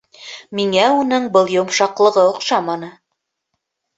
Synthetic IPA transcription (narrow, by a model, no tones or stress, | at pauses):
miŋæunɤɴbɤlˠjŏmʃɑqlˠɤ̆ʁɤŏqʃɑmɑnɤ